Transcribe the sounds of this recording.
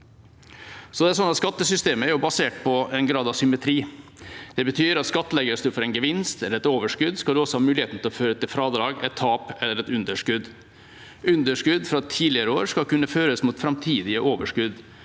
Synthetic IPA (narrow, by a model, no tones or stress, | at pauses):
sɔd̪ɛæsɔnːɑt̪skɑt̪ːəsʏst̪eːməæɾjʊbɑseːʈ̚pʰɔɛnɡɾɑːd̪ɑʋsʏmɛt̪ʰɾiːd̪̥ɛbət̪ʰyːɾɑt̪skɑt̪ːəlɛɡəsd̪ʉfɔɾɛɪnɡəʋɪnst̪ɛlːɾɛt̪oːʋəʂkʉd̪skɑld̪ʉɔsɔhɑːmʉːlɪeːt̪n̩t̪ɪlɔføːɾət̪ɪlfɾɑːd̪ɾɑːɡɛɪt̪ʰːɑːpɛlːəɾɛt̪ʉnd̪əʂkʉd̪ | ʔʉnd̪əʂkʉd̪fɾɑt̪ʰiːlɪəɾəoːɾʂkɑlkʉnːəføːɾəsmuːt̪fɾɑmt̪ʰiːd̪ɪəʔoːʋəʂkʉd̪